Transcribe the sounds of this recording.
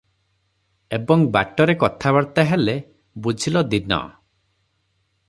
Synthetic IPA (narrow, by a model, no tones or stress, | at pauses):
ebɔŋba̰ʈɔɾekɔt̪ʰabaɾt̪aɦele | bud͡ʒʱilɔd̪inɔ̰